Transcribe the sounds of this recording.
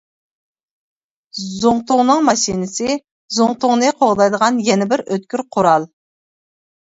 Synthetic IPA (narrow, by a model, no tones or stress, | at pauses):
zoŋt̪ʰoŋnəŋmɑʃinɪsɪ | zoŋt̪ʰoŋnɨqʰoʁd̪ɑjd̪əʁɑnjɛnɪbɪɾøt̪̚kʲyɾqʰʊɾɑlˠ